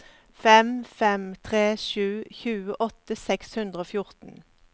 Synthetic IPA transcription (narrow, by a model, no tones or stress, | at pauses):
fɛmfɛmt̪ʰʁeːʃʉːçʉːəʔɔt̪əsɛkshʉnd̪ʁəoːfjʊʁt̪n̩